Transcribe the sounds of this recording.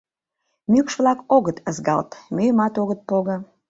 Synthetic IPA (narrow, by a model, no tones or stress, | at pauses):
mykʃβlɑkoɣət̪əzɡɑ̰lt̪mʲyjəmɑt̪oɣət̪̚poɣə̆